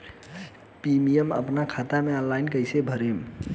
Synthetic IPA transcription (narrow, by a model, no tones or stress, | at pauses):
pimijemə̰pnakʰat̪ameə̃nlajnkəjsebʱəɾem